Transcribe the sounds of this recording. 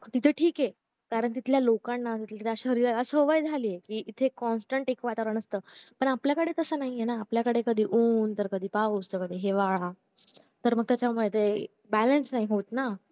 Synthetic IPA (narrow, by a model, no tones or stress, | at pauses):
t̪it̪ʰeʈʰiːke | kaɾəɳt̪̬it̪ljalokanːat̪it̪ʰlat̪ʰeəɕaɦəɾiɾaəsəʋəjd͡zʱaliːekiːʔit̪ʰekɔnsʈəɳʈekʋat̪aɾəɳ̃əst̪əːpəɳapljakəɽet̪əsəːnaɦijenaːpljakəɽekəd̪ʱiːʔuːnt̪əɾkəd̪ʱiːpaust̪əkəd̪ʱiːɦeʋaɭa | t̪əɾməɡ̚t̪jat͡ɕjamuɭet̪e | bælənsnaɦiɦot̪na